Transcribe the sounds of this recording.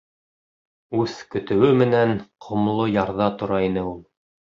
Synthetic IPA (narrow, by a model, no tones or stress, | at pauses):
ʉðkɵ̆t̪ɘ̆wɘmɘ̆nænqʰŏmlˠojɑɾðɑt̪ŏɾɑinɘulˠ